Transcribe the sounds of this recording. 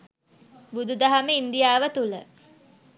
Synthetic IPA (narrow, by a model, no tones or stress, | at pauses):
bud̪ud̪ɐɦaməind̪ijaːʋət̪ulə̰